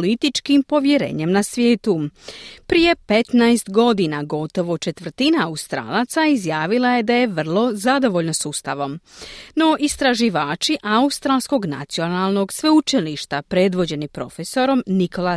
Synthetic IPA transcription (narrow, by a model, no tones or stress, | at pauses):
lit̪it͡ʃkimpo̞ʋje̞ɾḛːɲe̞mnasʋʲjeːt̪upɾije̞pe̞t̪najst̪ɡo̞d̪inaɡo̞t̪o̞ʋo̞t͡ʃe̞t̪ʋr̩t̪inaaust̪ɾa̰ːlˠat̪saizjaːʋilaje̞d̪aje̞ʋr̩lˠo̞zad̪o̞ʋo̞ʎno̞sust̪aʋo̞mno̞ʔist̪ɾaʒiʋaːt͡ʃiʔaust̪ɾaːlˠsko̞ɡna̰t̪sijo̞nalˠno̞ɡsʋe̞ut͡ʃiliʃt̪apɾe̞d̪ʋo̞d͡ʑe̞nipɾo̞̰fe̞so̞ɾo̞mnikʰo̞la